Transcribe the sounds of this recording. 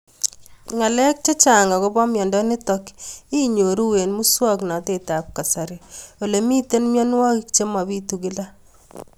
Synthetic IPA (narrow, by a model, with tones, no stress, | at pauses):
ŋa˨lɛ˦k̚t͡ʃe˦t͡ʃa˨ŋɡa˨ko˦bɔ˦mjɔ˨ndɔ˦ni˦tɔ˦ki˦ɲo˨ɾu˦we˨nmu˦swɔ˦kna˨te˨ta˨p̚ka˨sa˨ɾi˨o˨le˨mi˦te˦nmjɔ˦nwɔ˦ki˦kt͡ʃe˦ma˨bi˦tu˨ki˦la˦